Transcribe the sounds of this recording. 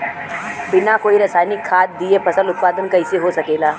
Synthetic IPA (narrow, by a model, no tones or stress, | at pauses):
binakoiːɾəsajnikʰːat̪̚d̪ijepʰəsəlut̪̚pad̪ənkəjsiɦosəkela